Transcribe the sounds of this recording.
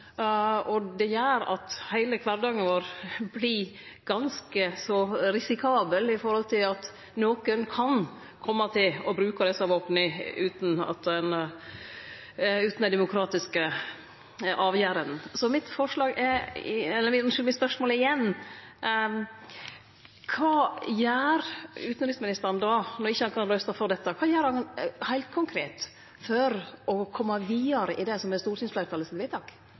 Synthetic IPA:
ɔd̪ɛjæːɾɑ̰t̪hæɪləkʰʋɑɾd̪ɑːŋənʋoːɾbliɡ̥ɑnskəsɔɾɪsɪkʰɑːbəlɪfɔɾhɔlt̪ʰɪlɑt̪ | noːkənkʰɑn | kʰɔmːɑt̪ʰɪlɔbɾʉːkɑɾɛsɑʋoːpnɪʉːt̪n̩ɑ̰t̪ɛnə | ʉːt̪nɛd̪ɛmʊkʰɾɑːt̪ɪskə | ʔɑːʋjæːɾənn̩sɔmɪt̪fɔʂlɑːɡɛɾɛlːəmɪmɪt̪spœʂmoːləɪjɛnː | kʰʋɑːjæːɾʉːt̪nɾɪsmɪnɪst̪əɾnd̪ɑːnɔɾɪçːəhɑnkʰɑnɾœːst̪ɑfɔɾd̪ɛt̪ːəkʰʋɑːjæːɾhɑnhæɪlt̪̚kʰʊŋkʰɾeːt̪ | fɔɾʔɔkʰɔmːɑʋiːəɾəʔɪd̪ɛsɔmɛst̪uːɾsʏnsflæɪɾk̪ʰɑlːəst̪ɪlʋɪt̪ʰɑːk

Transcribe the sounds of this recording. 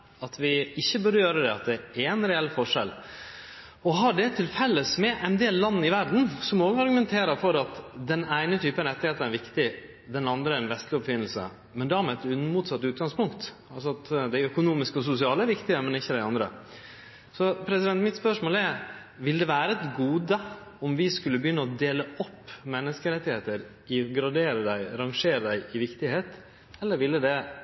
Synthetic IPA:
ɑt̪ʋɪɪçːəbʉɾəjøːɾəd̪ɛɑt̪̚d̪ɛɛɛnɾɛɛlːfɔʂɛl | ɔɦɑɖɛt̪ʰɪlfɛlːəsmɛʔɛnd̪eːllɑnːəɪʋæɾd̪n̩sɔmoːɡəɑɾɡʉmɛnt̪ʰeːɾəɾfɔɾɑt̪d̪ɛnæɪnət̪ʰyːpəɾɛt̪ːɪheːt̪əɾæɾʋɪkt̪ɪ | d̪ɛnɑnd̪ɾəæɾnʋɛst̪lɪɔpfɪnːl̩sə̰ | mɛnd̪æɾmɛɛt̪ʉnːmuːt̪sɑt̪ːʉːt̪̚ɡɑŋspʊŋkt̪ | ɑlsɔɑt̪d̪æɪœkʊnuːmɪskəɔs̬ʊsɪɑːləʋɪkt̪ɪəmɛnɪçːəd̪æɪɑnd̪ɾə̰ | sɔpʰɾɛsɪd̪ɛnt̪mɪt̪spœʂmoːlɛɾ | ʋɪld̪ɛʋæːɾəɛt̪ɡuːd̪ə | ɔmʋɪskʉlːəbəjʏnːəɔd̪eːləɔpːmɛnːəskəɾɛt̪ːɪheːt̪əɾ | ɪɡɾɑɖ̪eːɾəɖ̪æɪɾɑŋʂeːɾəd̪æɪʔɪʋɪkt̪ɪheːt̪ | ɛlːəɾʋɪlːəd̪ɛ

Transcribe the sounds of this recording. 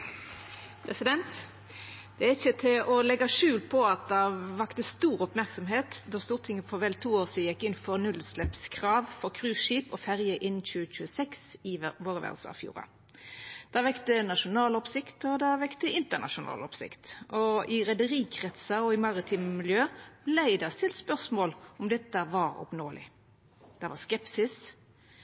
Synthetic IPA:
pʰɾɛsɪd̪ɛnt̪ | d̪̥ɛæɪçət̪ʰɪlʔɔlɛɡːɑʂʉːlpʰɔɑt̪̚d̪ɑʋɑkt̪əst̪uːɾɔpmæʁksɔmɦeːt̪d̪ɔst̪uːʁt̪ʰɪŋːəfɔʋɛlt̪ʰuːoːsiːd̪jɛkːɪnfɔʁnʉlslɛpskʰʁɑːʋfɔʁkʰʁʉːʃiːpɔfæʁjəʔɪnn̩c͡çʉːəc͡çʉːəsɛksɪʋoːʁəʋæ̰ʁd̪səɑ̰fjṵːʁɑ̰ | d̪̥ɑʋɛkt̪ənɑʃʊnɑːlɔpsɪkt̪ɔd̪ɑʋɛkt̪əɪnt̪əʁnɑ̰ʃʊnɑ̰ːlɔpsɪ̰kt̪ɔɪʁɛd̪əʁiːkʰʁɛt̪sɑɔɪmɑʁɪt̪ʰiːmmɪljøːb̥læɪd̪ɑst̪ɪlt̪spœʁsmoːlɔmd̪ɛt̪ːəʋɑɾɔ̰pnoːlɪ̰ | d̪̥ɛʋɑskɛpsɪs

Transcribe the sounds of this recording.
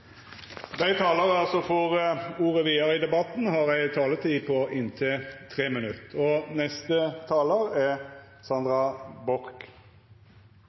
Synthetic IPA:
d̪æɪt̪ʰɑːləʁɑlsɔfɔʁuːʁəʋiːəɾəɪd̪ɛbɑt̪n̩ɦɑɾæɪt̪ʰɑːlət̪ʰiːpʰɔʔɪnt̪ʰɪt̪ʰʁeːmənʉt̪ɔnɛst̪ət̪ʰɑːləʁɛ | sɑnd̪ʁɑbɔɾk

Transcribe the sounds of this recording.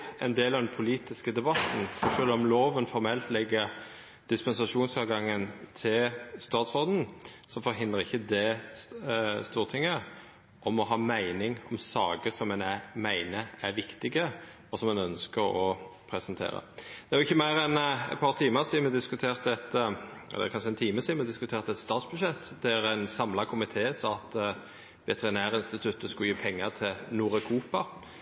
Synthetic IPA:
ʔɛ̰nd̪eːlɑʋd̪ɛnpʰʊliːt̪ɪskəd̪ɛbɑt̪n̩fɔʃøːlɔmloːʋənfɔɾmɛlt̪lɛɡːəɾ | d̪̥ɪspɛnsɑʂuːnsɑːɡɑŋːənt̪ʰɪlst̪ɑːt̪sʁoːd̪n̩sɔfɔɾɦɪnd̪əʁɪçːəd̪ɛ | st̪uːʁt̪ʰɪŋːə | ʔɔmɔɦɑːmæɪnɪŋɔmsɑːɡəsɔmɛnæmæɪnəæʁʋɪkt̪ɪɡə | ɔsɔmːɛnœnskəɾɔpʰɾɛsənt̪ʰḛːɾə̰d̪̥ɛæɾʁʊɪçːəmæɪɾɛnɛ̰t̪̚pʰɑːɾʁt̪ʰiːməsiːmɛd̪ɪskʉt̪ʰeːʁt̪ɛt̪ʔɛ̰lːɛ̰kʰɑnʂəɛnt̪ʰiːməsiːmɛd̪ɪskʉt̪ʰeːʁt̪ɛt̪st̪ɑːt̪sbʉd̪ʃɛt̪ːd̪ɛæɾæɪnsɑmlɑkʰʊmɪt̪ʰeːsɑɑt̪ | ʋɛt̪əʁɪnæːɾəɪnst̪ɪt̪ʰʉt̪ːəskʊjiːpʰɛŋːəʁt̪ʰɪlnuːɾœkʰuːpɑ

